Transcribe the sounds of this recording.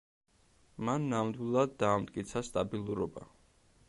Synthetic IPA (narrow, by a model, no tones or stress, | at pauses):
manːamd̪wilˠad̪ːaːmt̪ʼkʼit̪sʰast̪ʼabilˠuɾɔba̰